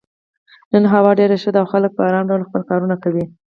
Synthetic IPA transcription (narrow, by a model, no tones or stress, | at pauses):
nənɦawɑɖeɾaʃəd̪awxalək̚pəaɾɑnɖawlxpəlkɑɾunakawi